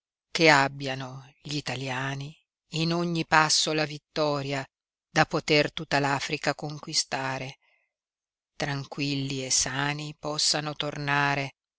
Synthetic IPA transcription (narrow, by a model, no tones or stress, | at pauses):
keabːjano | ʎit̪aljaːniː | noɲːipasːolavit̪ːɔːɾja | d̪apot̪ert̪ut̪ːalaːfɾikakoŋkwist̪aːɾe | t̪ɾaŋkwilːiesːaːnipɔsːanot̪ornaːɾe